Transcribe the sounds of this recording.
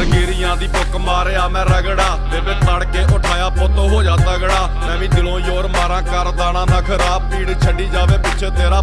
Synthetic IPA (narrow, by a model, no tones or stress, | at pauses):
ɾɡiːɾɪjãːd̪iːbʊkmaːɾeːaːmɛ̃ːɾəɡɽaːt̪eːbeːt̪aːɽkeːʔʊʈʰaːjaːpət̪õːɦoːd͡ʒaːt̪aːɡɽaː | mɛ̃ːʋĩːd̪ɪlõːioːɾmaːɾãːkəɾd̪aːɽ̃ãːnaːkʰəɾaːpiːɽt͡ʃʰəlɖiːd͡ʒaːʋeːpɪtːt͡ʃʰeːt̪eːɾãː